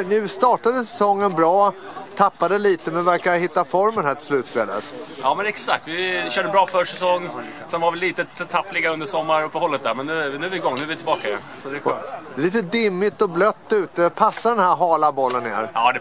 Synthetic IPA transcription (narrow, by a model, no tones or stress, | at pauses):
nʉ̟ːst̪ɑːʈad̪əsɛsɔŋːənbɾɑːt̪ʰapːad̪əliːt̪əmɛnvæɾkahɪt̪ːafɔɾmənɦæːʈʰɪlslʉ̟ːt̪spḛːlə̰t̪jɑːmɛnɛksa̰kt̪vɪɕœːɖəbɾɑːfœʂɛsɔŋːsɛnvaɾvɛlːiːt̪ət̪ʰapːlɪɡaɵnd̪əʂɔmːaɾɵpːəhɔlːət̪̚æɾmɛnːʉnʉ̟æɾvɪɡɔŋːnʉɛvɪt̪ʰɪlbɑːkaɪjɛ̰nsɔd̪ɛliːt̪əd̪ɪmːɪt̪ɔblœt̪ːʉ̟ːt̪əpʰasːad̪ɛnhæːɾɦɑːlabɔlːənːḛːɾɑːd̪ɛ